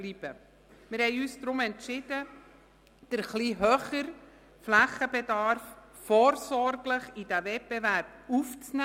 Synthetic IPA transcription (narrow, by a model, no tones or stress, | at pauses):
lib̥ə | mɪɾhɛɪyːsd̥̪ɾʊmɛntʃɪd̥ə | d̥əɾχliɦœχəɾ | flæχəbɛdɑɾf | foːɾsɔɾɡləχid̥ævɛp̚bɛvæɾb̥̚ | uft͡snæ